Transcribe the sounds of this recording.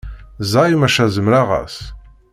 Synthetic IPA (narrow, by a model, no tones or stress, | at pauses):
zɑjmæʃæzəmɾaʁæ̰s